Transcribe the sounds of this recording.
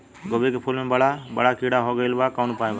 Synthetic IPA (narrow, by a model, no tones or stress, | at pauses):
ɡobeːkeːpʰolmẽːbəɽaːbə̰ɽaːkiːɽaːɦoːɡəjlbaːkaːnupaːjbaː